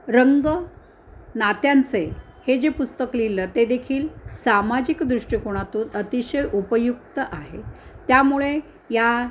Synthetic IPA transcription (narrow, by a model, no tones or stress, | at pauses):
ɾəŋɡə | nat̪jant͡se | hed͡ʑepust̪əklilːəːt̪ed̪ekʰiːlsamad͡ʑikd̪ɾuʂʈikoɽ̃at̪uːnət̪iɕəjʔupəjuk̚t̪əʔaɦḛt̪jamuɭe | ja